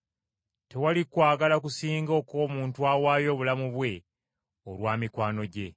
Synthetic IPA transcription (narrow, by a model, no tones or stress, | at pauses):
te̞walikwaːɡalakusiːŋɡo̞ːko̞ːmuːntuawaːjo̞ːβulamuβwe̞ | olwaːmikwaːno̞ɟe̞